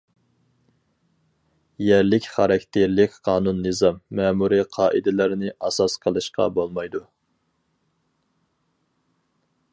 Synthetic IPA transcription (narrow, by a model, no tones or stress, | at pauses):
jæɾlɪkʲχɑɾɑkʲt̪ʰeɾlɪkʲqʰɑːnunːɨzɑmːɛmuɾiqʰɑːʔid̪ɪlɪɾnɪʔɑsɑsqʰəlˠɨʃqɑ̰bolˠmɑjd̪u